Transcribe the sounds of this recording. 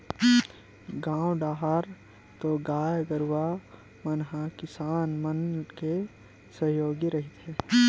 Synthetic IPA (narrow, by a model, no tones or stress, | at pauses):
ɡãːwɖaːɦaɾ | t̪oɡaːjɡəɾʊwa | mənɦakɪsaːnmənke | səɦjoːɡiɾɐɦɪt̪ɦɛː